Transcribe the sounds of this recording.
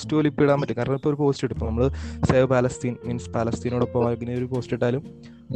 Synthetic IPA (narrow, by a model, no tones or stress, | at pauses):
stːɨolipːiɽaːnmpɐtːɨkːɐɾɐnɐpːomoɾupo̞ːstiʈːupːonɐmːɐɭɨseːʋɨpaːlɐst̪iːnmiːnspaːlɐst̪iːnoːɽopːoɐlɡinːɐoɾupoːstiʈːaːlum